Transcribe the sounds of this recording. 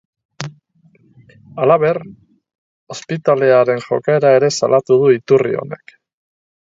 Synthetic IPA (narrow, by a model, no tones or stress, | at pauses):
alaβe̞r | o̞spit̪ale̞aɾe̞nʝo̞̰kae̞ɾae̞ɾe̞sa̰lʔat̪uð̞uit̪urḭo̰ne̞k